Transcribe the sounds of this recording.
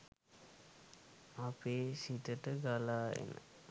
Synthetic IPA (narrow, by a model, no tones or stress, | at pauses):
apeːsit̪əʈəɡalaːḛnə̰